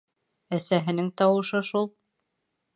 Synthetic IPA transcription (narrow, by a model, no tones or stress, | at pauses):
æsæɦɘ̆nɘŋt̪ɑwɤ̆ʃɤʃulˠ